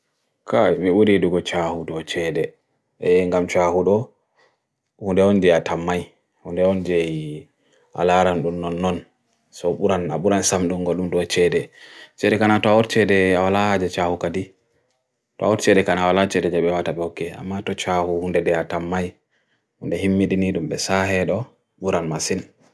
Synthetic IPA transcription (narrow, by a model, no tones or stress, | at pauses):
kʰamiuɾiduɡɔt͡ʃahudɔt͡ʃɛdɛ | ɛŋɡamt͡ʃahuɗɔ | hundɛɔnd͡ʒiatamːaj | hundɛɔnd͡ʒɛj | ʔa̰laɾanɗumːɔnːɔn | sɔɓuɾana̰ɓuɾansamɗuŋɡɔlɗumɗɔt͡ʃɛdɛt͡ʃɛdɛkanatɔaɔɾt͡ʃɛdɛawalahad͡ʒɛt͡ʃahukadi | tɔawɔɾt͡ʃɛdɛkanawalat͡ʃɛdɛd͡ʒɛɓɛwataɓɛhɔkːɛa̰mːatɔt͡ʃahuhundɛdɛatamːaj | hundɛɦimːiɗiniɗumɓɛsaɦɛɗɔ | ɓuɾanmasin